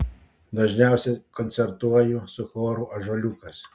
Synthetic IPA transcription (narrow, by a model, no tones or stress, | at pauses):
d̪ɐʒʲnʲæˑʊsʲɛkɔnʲsʲɛɾt̪uɔjʊsʊxoːɾuʔɐʒɐlʲuːkɐs